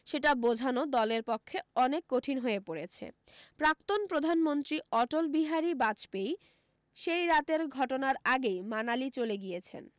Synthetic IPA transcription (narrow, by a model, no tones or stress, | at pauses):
ʃeʈabod͡ʑʱanod̪ɔleɾpɔkʰːeɔnekːoʈʰinɦoepoɾet͡ɕʰḛ | pɾak̚t̪onpɾod̪ʱanmont̪ɾiɔʈolbiɦaɾibat͡ɕpej | ʃejɾat̪eɾɡʱɔʈonaɾaɡejmanalit͡ɕoleɡijet͡ɕʰḛn